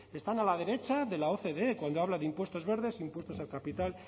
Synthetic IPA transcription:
e̞st̪analað̞e̞ɾe̞t͡ʃaðe̞lao̞θe̞ðe̞kwand̪oaβ̞laðeimpwe̞st̪o̞zβe̞ɾðe̞simpwe̞st̪o̞salkapit̪al

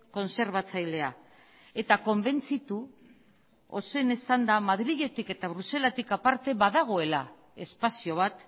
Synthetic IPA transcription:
ko̞nse̞ɾβ̞at͡sajle̞a | e̞t̪ako̞mbe̞nt͡sit̪u | o̞soe̞nesand̪amaðɾiɣe̞t̪ike̞t̪aβ̞ɾuse̞lat̪ikapaɾt̪e̞βaðaɣ̞o̞e̞la | e̞spasio̞β̞at̪

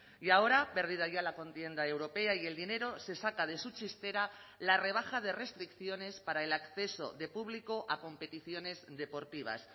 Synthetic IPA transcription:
jao̞ɾape̞ɾð̞ið̞aʝalako̞nt̪je̞nd̪ae̞wɾo̞pe̞aie̞ld̪ine̞ɾo̞se̞sakað̞e̞sut͡ʃist̪e̞ɾalare̞β̞axað̞e̞re̞st̪ɾikθjo̞ne̞spaɾaelakθe̞so̞̰ðe̞puβlikoʔako̞mpe̞t̪iθjo̞ne̞zðe̞po̞ɾt̪iβ̞a̰s

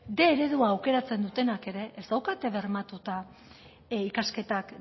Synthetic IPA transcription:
d̪e̞ːɾe̞ðuaːwke̞ɾat͡se̞nd̪ut̪e̞nake̞ɾe̞ʔːsd̪awkat̪eβe̞ɾmat̪ut̪a | ikaske̞t̪ak

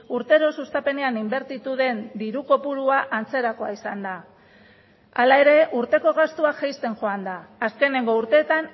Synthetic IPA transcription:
uɾt̪e̞ɾo̞sust̪ape̞ne̞animbe̞ɾt̪it̪uðe̞nd̪iɾuko̞puɾuaʔant͡se̞ɾako̞a̰isand̪a | a̰lae̞ɾe̞ʔuɾt̪e̞ko̞ɣ̞ast̪uaxajst̪e̞ŋʝo̞and̪aaske̞ne̞ŋɡo̞uɾt̪e̞ːt̪an

